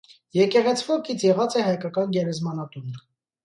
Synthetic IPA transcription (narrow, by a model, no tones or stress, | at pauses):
jɛkɛʁɛt͡sʰvɔkit͡sʰjɛʁɑt͡sɛhɑjkɑkɑnɡɛɾɛzmɑnɑt̪unə